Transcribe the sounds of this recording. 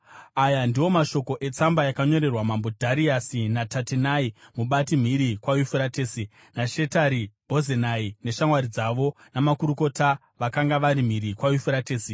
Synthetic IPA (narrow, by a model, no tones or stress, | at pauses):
ajandiwo̞maʃo̞ko̞ʔe̞t͡sambajakaɲo̞ɾe̞rwamambo̞dʱaɾiasinatatenaimuɓatim̤iɾikwajufuɾateːsi | naʃe̞taɾibʱo̞zenaine̞ʃamwaɾid͡zaʋo̞ | namakuɾuko̞ta | ʋakaŋɡaʋaɾim̤iɾikwajufuɾateːsi